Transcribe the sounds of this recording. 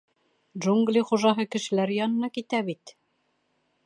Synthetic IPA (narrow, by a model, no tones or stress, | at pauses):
dʒuŋɡlʲiχuʒɑɦɤkɘ̆ʃɘ̆læɾjɑnɤ̆nɑkit̪æβit̪